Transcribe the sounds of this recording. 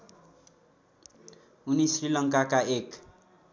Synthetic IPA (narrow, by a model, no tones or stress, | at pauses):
unisrilʌŋkakaek